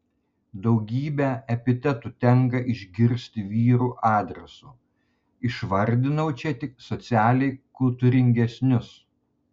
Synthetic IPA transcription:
d̪ɒʊɡʲiːbʲɛɛpʲɪt̪ʲɛt̪uːt̪ʲɛŋkɐʔɪʒʲɡʲɪɾʲsʲt̪ʲɪʋʲiːɾuːʔɑːd̪ʲɾʲɛsu | ɪʃʋɐɾʲd̪ʲɪnɐʊt͡ʃʲɛt̪ʲɪksɔt̪sʲæːlʲɛɪkʊlˠt̪ʊɾʲɪŋʲɡʲɛsʲnʲʊs

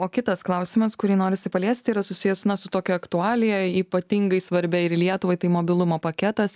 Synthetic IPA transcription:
oːkʲɪt̪ɐsklˠɐʊsʲɪmɐskʊɾʲiːnoːɾʲɪsʲɪpɐlʲeːsʲt̪ʲiːɾɐsʊsʲɪjɛsnɐsʊt̪oːkʲɛɐkt̪ʊɑːlʲɪjɛiːpɐt̪ʲiŋɡɐɪsʋɐɾʲbʲɛɪɾlʲiɛt̪ʊʋɐɪt̪ɐɪmoːbʲɪlˠʊmoːpɐkʲɛt̪ɐs

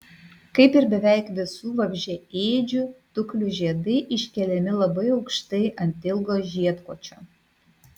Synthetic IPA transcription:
kɐɪpɪɾbʲɛʋʲæˑɪkʋʲɪsuːʋɐbʲʒʲɛeːd͡ʒʲʊt̪ʊklʲʊʒʲiɛd̪ɐɪʔɪʃʲkʲɛlʲɛmʲɪlˠɐbɐɪɒʊkʃt̪ɐɪʔɐnʲt̪ʲɪlˠɡoːʒʲiɛt̪koːt͡ʃʲo

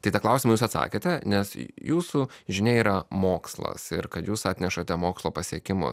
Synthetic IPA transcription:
t̪ɐɪt̪ɐklˠɐʊsʲɪmɐjuːsɐt̪sɑ̰ːkʲeːt̪ʲɛnʲɛsjuːsu | ʒʲɪnʲeːiːɾɐmoːkslˠɐ̰sɪ̰ɾkɐt̪juːsɑːt̪ʲnʲɛʃɐt̪ʲɛmoːkslˠoːpɐsʲiɛkʲɪmʊ̰

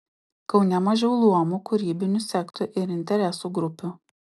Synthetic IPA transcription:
kɒʊnʲɛmɐʒʲɛʊlˠuɔmuːkʊɾʲiːbʲɪnʲusʲɛkt̪ʊʔɪɾɪnʲt̪ʲɛɾʲɛsuɡɾʊpʲu

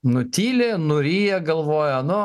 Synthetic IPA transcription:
nʊt̪ʲiːlʲeːnʊɾʲiːjɛɡɐlˠʋoːjɛnʊ

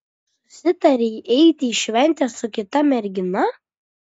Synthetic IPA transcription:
sʊ̥sʲɪt̪ɐɾʲɛʔɛɪt̪ʲiːʃʲʋʲɛnʲt̪ʲɛsʊkʲɪt̪ɐmʲɛɾʲɡʲɪnɐ

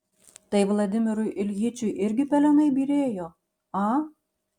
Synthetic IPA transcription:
t̪ɐjʋlˠɐd̪ʲɪmʲɪɾujʔɪlʲɣit͡ʃʲujʔɪɾʲɡʲɪpʲɛlʲɛnɐjbʲiɾʲeːjo | ɑ

